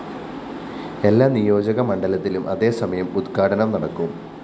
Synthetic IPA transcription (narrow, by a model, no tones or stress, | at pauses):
e̞lːaːnijo̞ːd͡ʑɐɣɐmɐɳɖɐlɐt̪ːilumʔɐ̰ðe̞ːsɐmɐjɐmut̪kʰaːʈɐnɐmnɐɽɐkːum